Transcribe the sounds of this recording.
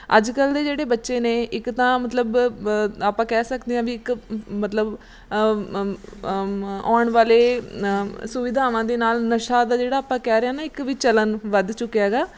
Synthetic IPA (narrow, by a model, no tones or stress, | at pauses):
ə̰d͡ʒkəld̪eːd͡ʒeːɽeːbətːʃeːneːɪkt̪ãːmət̪ləb | aːpãːkɛːsəkd̪eːãːʋiːɪkmət̪ləb | ɔːɳʋaːleː | sʊʋɪd̪ʱaːʋãːd̪eːnaːlnəʃaːd̪aːd͡ʒeːɽaːpãːkɛːɾeaːnaːɪkʋiːt͡ʃələnʋəd̪t͡ʃʊkːjaːɡaː